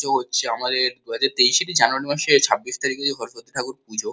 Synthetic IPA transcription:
oɦotːɕʰeamad̪eɾd̪uɦad͡ʑaɾt̪ejʃeʈid͡ʑanuaɾimaʃet͡ɕʰabːiʃt̪aɾiked͡ʑʰeɡʱɔɾoʃot̪ːiʈʰakuɾpud͡ʑʱo

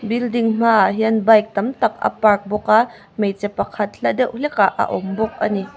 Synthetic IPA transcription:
bildiŋm̥aɦiənbɐjk̚t̪ɐmt̪ɐk̚ɐ̰pɐrk̚bɔka | mejt͡sɛpɐkʰɐt̪̚ɬaʔdɛwʔlɛkaʔɐ̰ʔɔmbɔk̚ʔɐ̰ni

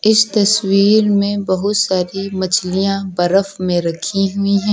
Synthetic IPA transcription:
ɪst̪ɐswiːɾmẽbɐɦʊt̪saːɾimɐt͡ʃʰlijãbɐɾəfmẽɾɐkʰiɦuiɦɛ̃ː

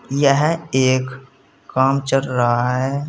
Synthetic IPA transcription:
jəɦeːkː | aːmt͡ʃəlɾaɦaɦɛː

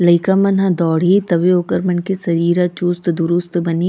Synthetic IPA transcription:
lɐɪkamɐnãd̪ɔːɽ̤it̪ɐʋeoːkəɾmɐnkesɐɾiːɾat͡ʃust̪d̪ʊɾʊst̪bɐni

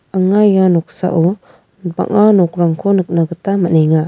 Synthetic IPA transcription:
aŋajanɔksa̰ʔɔ | ba̰ŋanɔk̚ɾaŋkʰɔnɯk̚naɡɯtamaneŋa

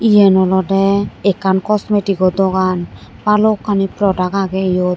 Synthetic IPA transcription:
ijɛnɔlɔdɛɛkankɔsmetiɡɔd̪ɔɡanbalɔkːanipɾɔdakaɡɛijɔ

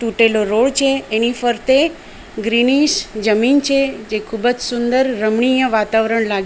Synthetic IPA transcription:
t̪uʈeloɾoɭt͡ʃʰeːnifəɾt̪e | ɡɾiniʃd͡ʒəmint͡ʃʰed͡ʒekʰubəd͡ʒsund̪əɾːəmɳijəʋat̪aʋɾəɳlaɡe

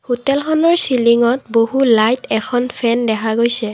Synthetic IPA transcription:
hotɛlxʰɔnɔɹsiliŋɔtboɦulajtʰɛkʰɔnpʰɛndɛkʰaɡojsɛ

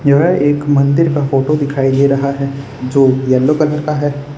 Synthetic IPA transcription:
jɐɦəeːkmɐ̃nd̪ɪɾkafoːʈod̪ɪkʰaːid̪eːɾɐɦaɦɛ | d͡ʒoːjɐlːokɐləɾkaɦɛː

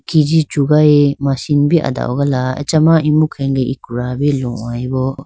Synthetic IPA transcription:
kid͡ʒid͡ʒuɡajmasinbiʔa̰d̪a̰oɡalaḛt͡ʃɐmaimukʰɛŋɡeʔikuɾabilɔʔajbɔ

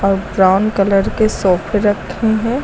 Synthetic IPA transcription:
ɔːɾbɾaːʊnkɐləɾkesɔːpʰeɾɐkʰːeɦɛ̃ː

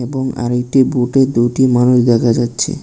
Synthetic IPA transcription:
eboŋa̰ɾek̚ʈibuʈed̪ujʈimanuʃd̪ɛkʰad͡ʑatːɕʰḛ

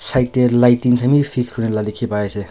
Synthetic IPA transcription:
sajt̪elajtiŋtʰamipʰikʰɾunelalikʰipaesʰe

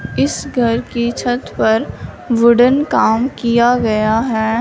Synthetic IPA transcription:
ɪsɡʱɐɾkit͡ʃʰɐt̪pɐɾ | ʋʊɖənkaːmkijaɡɐjaɦɛː

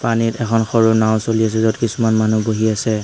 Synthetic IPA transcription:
panitɛkʰɔnxɔɹʊnaʊ̃solias̬ɛzɔdkisumanmanuboɦiasɛ

